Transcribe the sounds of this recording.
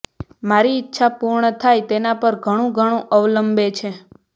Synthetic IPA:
maɾiːtːʃʰapuɾɳət̪ʰajt̪enapəɾɡʱəɽ̃ũɡʱəɽ̃ũʔəʋləmbet͡ʃʰe

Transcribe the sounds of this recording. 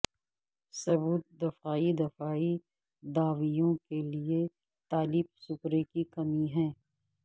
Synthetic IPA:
sɐbuːt̪̚d̪ɐfaːid̪ɐfaːi | d̪aːʋijõkelie | t̪aːliːb̚sʊkɾekikɐmiɦɛ̃ː

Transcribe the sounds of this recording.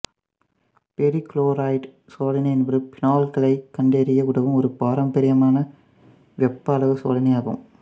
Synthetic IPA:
pɛɾikloːɾaːjʈ | soːlɐnɐjɛnʋɐɾɯpɪnaːlkɐlɐɪkɐɳɖeːɾɪjɐkɯɽɐʋɯmɔɾɯpaːɾɐmbɐɾɪjɐmaːnɐ | ʋɛpːɐːlɐʋɯso̰ːlɐnɐjaːɣɯ̰m

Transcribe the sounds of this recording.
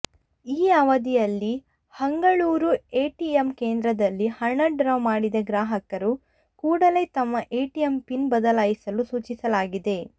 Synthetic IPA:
iːɐʋɐd̪ijɐlːi | hɐŋɡɐɭuːɾueːʈiemkeːnd̪ɾɐd̪ɐlːihɐɳːɐɖɾɐʋmaːɽid̪ɐɡɾaːɦɐkɐɾu | kuːɽɐle̞ːt̪ɐmːɐʔeːʈijempinbɐd̪ɐlaːjisɐlusuːt͡ʃisɐlaːɡid̪e̞

